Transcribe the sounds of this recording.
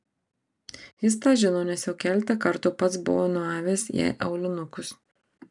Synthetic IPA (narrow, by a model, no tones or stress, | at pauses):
jɪs̬t̪ɑːʒʲɪnoːnʲɛsjɛʊkʲæːlʲɪt̪ɐkɐɾt̪ʊpɐt̪sbʊ̰ʋoːnʊɑːʋʲeːsjɛ̰ɪʔɛʊlʲɪnʊkʊs